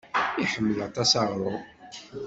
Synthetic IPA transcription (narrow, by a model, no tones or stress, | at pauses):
iħəmːəlæt̪ˤːæsɑʁɾˤʊ